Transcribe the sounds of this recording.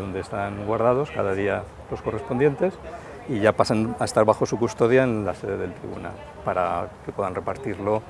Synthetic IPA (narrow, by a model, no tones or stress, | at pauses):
o̞nd̪e̞ːst̪aŋɡwaɾð̞að̞o̞skaðaðia | lo̞sko̞re̞spo̞nd̪je̞nt̪e̞s | iʝapasanaest̪aɾβaxo̞sukust̪o̞ðjaenlase̞ðe̞ðe̞lt̪ɾḭβṵna̰l | paɾakepwe̞ðanre̞paɾt̪iɾlo